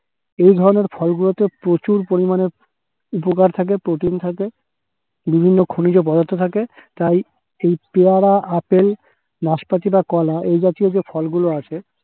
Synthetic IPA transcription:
ejd̪ʱɔɾoneɾfʰɔlɡulot̪epɾot͡ɕuɾpoɾimane | upokaɾt̪ʰak̬epɾoʈint̪ʰake | bibʱinːokʰonid͡ʑop̬ɔd̪ont̪ot̪ʰaket̪aj | ejpeaɽaʔapel | naʃpat̪ibakɔlaʔejd͡ʑat̪iod͡ʑefʰɔlɡuloat͡ɕʰe

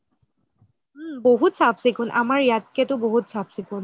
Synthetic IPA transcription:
mboɦutsapʰsikʰunʔamaɹjat̚kɛtʊboɦutsapsikʰʊn

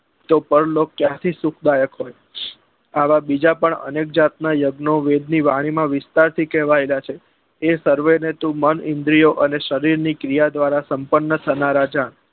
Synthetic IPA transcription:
t̪opəɾlokːjãt̪ʰisukʰd̪ajəkɦoj | aʋabid͡ʒapəɳə̰nek̚d͡ʒat̪̚najəɡnoʋed̪niʋaɽ̃imãʋɪst̪aɾt̪ʰikɛʋaelat͡ʃʰe | esəɾʋenet̪ũmənɪnd̪ɾijoʔəneʃəɾiɾnikɾijad̪ʋaɾasəmpənːət̪ʰənaɾad͡ʒaɳ

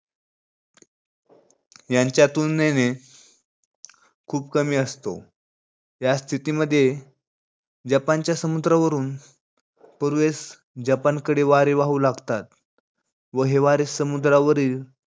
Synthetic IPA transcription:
jaɲt͡ɕjat̪unːene | kʰuːpkəmiːəst̪o̰ | jast̪ʰit̪iməd̪ʱːje | d͡ʑapant͡ɕjasəmud̪ɾaʋəɾuːn | pəɾʋes | d͡ʑapankəɽeʋaɾeʋaɦulaɡt̪at̪ | ʋəɦeʋaɾesəmud̪ɾaʋəɾiːl

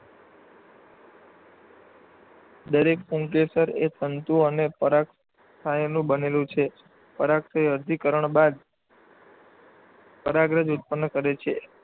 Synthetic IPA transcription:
d̪əɾekfũŋkesəɾḛt̪ənt̪ũənepəɾaks | t̪ʰajnũbənelũt͡ʃʰe | pəɾaksajəɾd̪ʱikəɾəɳbad̪ | pəɾaɡɾəd͡ʒʊt̪̚pənːkəɾet͡ʃʰe

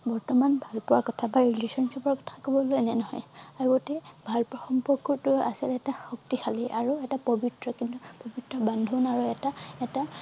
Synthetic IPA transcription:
bɔɹtɔmanbʱalpɔɹakɔtʰabaɹilesɔnsɔpɔɹakɔ̥tʰakobɔlonɛnɔɦɔ̰jaɡotɛbʱalpɔɹaxɔmpɔɹkɔɹtʊa̰silɛtaxɔk̚tixʰaliʔaɹuɛtapobitɹɔkintupobitɹɔbandʱunaɹuɛtaɛta

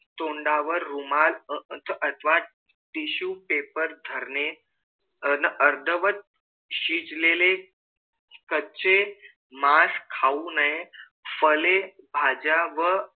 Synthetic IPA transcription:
t̪oɳɖaʋəɾːumalət̪ʰəʔət̪ʰʋa | ʈiɕupepəɾd̪ʱəɾne | nəʔəɾd̪ʱəʋət̪̚ | ɕid͡zlele | kət͡ɕe | maskʰaunae | fəlebʱad͡ʑaʋə

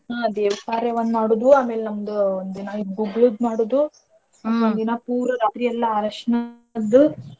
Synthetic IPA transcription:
ad̪eːʋɐpaːɾjɐʋɐnːmaːɽuːd̪uaːme̞ːlenɐmːɐd̪uond̪inɐiɡuɡlud̪̚maːɽuːd̪u | ɐond̪inɐpuːɾɐɾaːt̪ɾijɐlːɐaːɾɐʂɐnɐ | d̪u

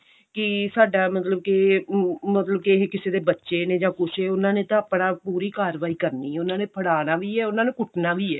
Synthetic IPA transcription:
kɪsaːɖaːmət̪ləb̚ke | mət̪ləb̚kekɪseːd̪eːbətːʃeːneːd͡ʒãːkʊseːʊnãːneːt̪ãəpɽãːpuːɾiːkaːɾʋaːiːkəɾniːʊnãːneːpʰəɽaːnaːʋiːɛːʊnãːnẽːkʊʈʰnaːʋiːɛː

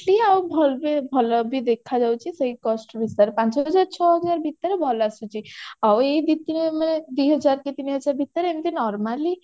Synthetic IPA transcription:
ʈliawbʱɔlbebʱɔlɔbʱid̪ekʰad͡ʒawt͡ʃʰisəɦikɔsʈbisaɾepãnt͡ʃɦɔɦəd͡ʒaɾt͡ʃʰɔɦɔd͡ʒaɾbʱit̪ːəɾebʱɔlasut͡ʃʰiaweid̪it̪ineməned̪uijɦəd͡ʒaɾket̪iniɦəd͡ʒaɾbʱit̪ːəɾeemit̪inɔɾmali

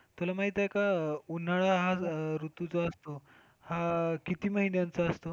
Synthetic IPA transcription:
t̪ulamaɦit̪akaun̤aɭaɦaɾut̪ut͡soəst̪o | hakit̪iːməɦinjant͡saəst̪o

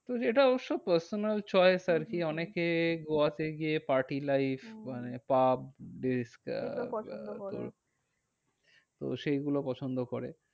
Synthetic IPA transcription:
t̪oeʈaboʃopəɾsonalt͡ɕɔesaɾkiɔnekeɡoateɡiepaɾʈilajfmanepab̚ɖisk | o̰ | t̪o̰ʃeɡulopɔt͡ɕʰond̪okoɾe

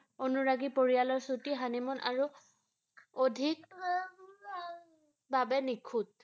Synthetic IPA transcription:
onuɹaɡipoɹijalɔɹsutiɦanimɔnʔa̰ɹu | odʱik̚ | babɛnikʰut̚

